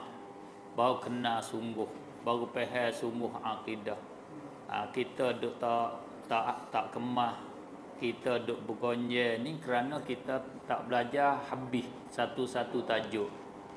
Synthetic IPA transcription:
baukənasuŋɡʊh | baɣupɛɦɛsuŋɡʊhakida | ə̰kit̪ədʊʔt̪aʔ | t̪aʔt̪aʔkəmah | kit̪ədʊʔbəɡoɲd͡ʒɛnikəɾanəkit̪ə | t̪aʔbəlad͡ʒahabɪh | sat̪usat̪ut̪ad͡ʒʊʔ

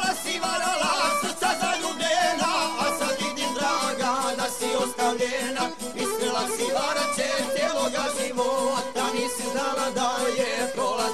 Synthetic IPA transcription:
asiʋaɾalast̪sazaʎubenaasad̪id̪imd̪ɾaɡad̪asiost̪aʋʎena | iskɾelasiʋaɾat͡ʃet̪jeloɡaziʋoad̪aniːsunalad̪ajekola

